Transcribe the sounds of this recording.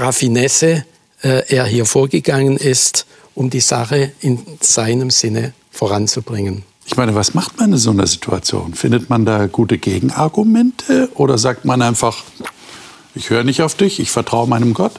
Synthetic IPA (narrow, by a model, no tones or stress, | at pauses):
ʁafinɛsə | ʔɛːʔeːɐɦiːɐfoːɐɡəɡaŋənɪst | ʔʊmdiːz̥a̰χəɪnz̥aɪnəmz̥ɪnə | foʁant͡sub̥ʁɪŋən | ʔɪçmaɪnəvasmaχtmanmɪnzonɐ̰zitʰua̰t͡sjo̰ːnfɪndətmandaːɡuːtəɡeːɡŋ̩aɐɡumɛntʰəʔoːɾɐzaːk̚tmanʔaɪnfaχ | ʔɪçhøːʁənɪçtaʊfd̥ɪçɪçfɛɐtʁ̥aʊəmaɪnəmɡɔt